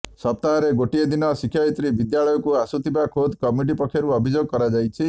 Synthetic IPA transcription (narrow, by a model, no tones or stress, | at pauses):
sɔp̚t̪aɔɾeɡoʈied̪inɔsikʰjait̪ɾibid̪jaɭɔjɔkuasut̪ʰibakʰod̪kɔmiʈ̬ipɔkʰjɔɾuɔbʱid͡ʒoɡɔkɔɾad͡ʒajt͡ʃʰi